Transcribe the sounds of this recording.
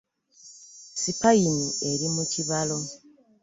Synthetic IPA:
sipainie̞ɾimuciβalo̞

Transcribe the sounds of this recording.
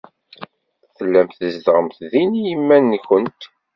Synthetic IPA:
θəlːæmθəzd̪ʁəmθðinjəmːænːkənt̪

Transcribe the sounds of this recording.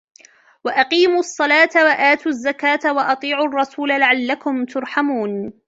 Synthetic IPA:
waʔɑqiːmuʔɑsˤːɑlɑːt̪awaʔaːt̪uazːakaːt̪awɑʔɑt̪ˤiːʕʊʔɑrˤːɑsuːlalaʕalːakʊmt̪ʊɾˤħamuːn

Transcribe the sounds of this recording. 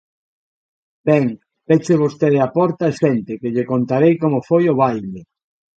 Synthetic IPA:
bɛŋ | pet͡ʃeβost̪eðeapɔɾt̪aesɛnt̪ɪkeʎɪkont̪aɾejkomofojoβajle

